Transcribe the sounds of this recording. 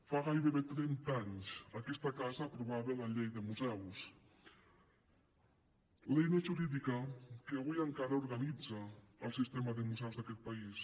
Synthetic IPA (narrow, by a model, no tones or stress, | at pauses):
faɣajðeβet̪ɾent̪aɲsakɛst̪akazaːpɾuβaβelaʎejðemuzɛws | lejnaʒuɾiðikakeaβujaŋkaɾauɾɣanid͡zaːlˠsist̪emaðemuzɛwzðakɛt̪̚pais